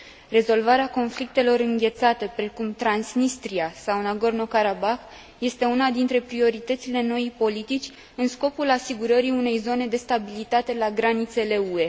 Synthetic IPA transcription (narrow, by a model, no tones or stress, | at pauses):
re̞zo̞lvaɾeako̞nflik̚t̪e̞lo̞ɾɨŋɡʲe̞t̪sat̪e̞pɾe̞kumt̪ɾansnist̪ɾiasawnaɡo̞rno̞kaɾabax | je̞st̪e̞unad̪int̪ɾe̞pɾio̞ɾit̪ət̪sile̞no̞ipo̞lit̪it͡ʃʲ | ɨnsko̞pulasiɡuɾəɾiune̞jzo̞ne̞d̪e̞st̪abilit̪at̪e̞laɡɾanit̪se̞le̞ue̞